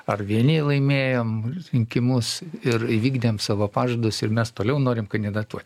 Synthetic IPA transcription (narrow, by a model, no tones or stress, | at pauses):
ɐrʋʲiɛnʲɪlˠɐɪmʲeːjoːmɾʲɪŋʲkʲɪmʊsɪɾʋʲiːɡd̪ʲemsɑːʋoːpɑːʒɐd̪ʊsɪɾmʲɛst̪oːlʲɛʊnoːɾʲɪmkɐnʲd̪ʲɪd̪ɐt̪uɔt̪ʲ